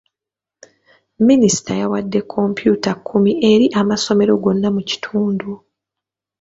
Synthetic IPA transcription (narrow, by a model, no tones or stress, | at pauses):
minisi̥tʰajawadːe̞kʰːo̞mpjuːtakʰːumie̞ɾiʔamaso̞me̞ɾo̞ɡo̞nːamuci̥tʰuːndu